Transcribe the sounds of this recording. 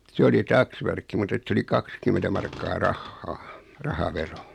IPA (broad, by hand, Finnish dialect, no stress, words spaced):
se oli tɑksʋærkːi mut et s oli kɑkskymentæ mɑrkːɑː rɑhːɑː rɑhɑʋero